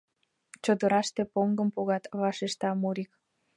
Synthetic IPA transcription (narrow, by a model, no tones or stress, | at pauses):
t͡ɕod̪əɾɑʃt̪epoŋɡəmpoɣɑt̪βɑʃeʃt̪ɑmuɾik